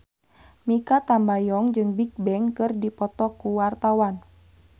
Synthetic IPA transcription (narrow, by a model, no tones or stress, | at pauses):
mikat̪ambajɔŋd͡ʒɨŋbik̚bɛŋkɨrdipɔt̪ɔkuwart̪awan